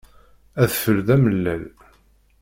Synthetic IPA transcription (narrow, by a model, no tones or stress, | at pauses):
æðfəɾðæməlːæl